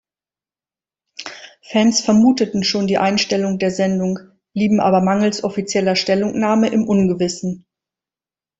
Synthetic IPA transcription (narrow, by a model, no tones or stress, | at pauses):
fɛnsfɛɐmuːtətn̩ʃoːndiːʔaɪnʃtɛlʊŋdeːɐzɛndʊŋ | b̥liːbm̩ʔa̰ːbɐmaŋl̩sʔɔfit͡sjɛlɐʃtɛlʊŋnaːməʔɪmʔʊnɡəvɪsn̩